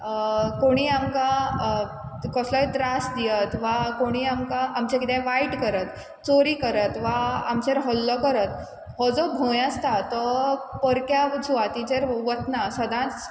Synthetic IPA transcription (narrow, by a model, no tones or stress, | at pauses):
koɽ̃iːamka | kɔslɔjʈɾasd̪ijət̪ʋakoɽ̃iːamkaːmt͡ɕãkit̪ɛ̃ʋaiʈkəɾət̪ | t͡soɾiːkəɾət̪ʋaamt͡ɕeɾɦɔlːɔkəɾət̪ | ɦɔd͡zɔbʱõjast̪at̪ɔpəɾkjad͡zuʋat̪id͡ʑeɾʋət̪nasəd̪ʱãt͡s